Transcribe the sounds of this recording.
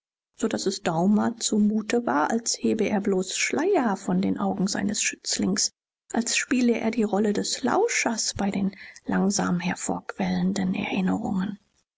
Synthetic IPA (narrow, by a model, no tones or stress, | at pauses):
z̥odasɛsd̥aʊmɐt͡sumuːtəvaːɐʔalsheːbəʔeːɐbloːsʃlaɪɐfɔndḛːnʔaʊɡŋ̩za̰ɪnəsʃʏt͡slɪŋs | ʔalsʃpiːləʔḛːɐdiːʁɔlədɛsla̰ʊʃɐsb̥aɪdeːnlaŋza̰ːmhɛɐfo̰ːɐkv̥ɛləndənɛ̰ɐʔɪnəʁʊ̰ŋən